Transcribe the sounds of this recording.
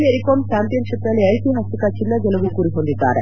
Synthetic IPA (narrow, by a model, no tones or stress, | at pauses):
ieɾikoɾmt͡ʃampijɐnʃipnɐlɐjsiɦasikat͡ʃʰinːad͡ʒelɐʋukuɾiɦond̪it̪a̰ːɾe